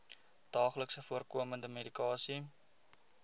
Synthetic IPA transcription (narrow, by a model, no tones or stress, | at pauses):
d̥ɑːχləksəfuərkuəməndəmedikɑːsi